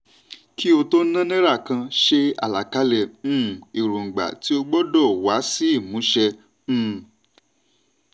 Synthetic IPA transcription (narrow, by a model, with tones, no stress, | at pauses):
kʰi˦o˧to˦nã˦nɛ̃˦ɾa˦˨kã˧ʃe˧a̰˨la˨ka˨˦lɛ̃˧˨˦i˨ɾu˨ŋ̩˨ɡ͡ba̰˨ti˨˦o˧ɡ͡bɔ˦dɔ˦˨wa˨˦si˦i˦˨mũ˨˦ʃɛ̃˧˦